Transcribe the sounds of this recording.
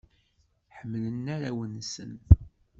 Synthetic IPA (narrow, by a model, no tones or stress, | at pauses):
ħəmːlənːaɾæwənsən